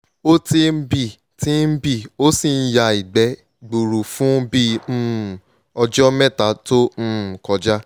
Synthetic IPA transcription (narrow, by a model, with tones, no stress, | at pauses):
o˦ti˧m̩˦bi˦˨ | tĩ˨˦n̩˦bi˦˨o˦si˦˨n̩˦ja˧i˨ɡ͡bɛ˨˦ | ɡ͡bu˨ɾu˨fũ˦bĩ˦˨ | ɔ˧d͡ʒɔ˦mɛ̃˦˨ta˨˦tõ˦˨kɔ˨˧d͡ʒa˦